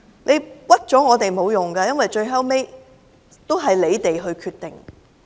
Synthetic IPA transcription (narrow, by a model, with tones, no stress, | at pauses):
lʔe˨˧jwɐ˥t̚t͡ʃɔː˨˥ŋɔː˨˧t̪e˨˩jmo˨˧wjʊ˨˩ŋɡɐ˧jɐ˥nwɐ˨jt͡ʃɵ˧ɥɦɐ˥wme˥j | t̪o˥wɦɐ˨jle˨˧jt̪e˨jɦɵ˧ɥkʰyː˧t̪̚ɪ˨ŋ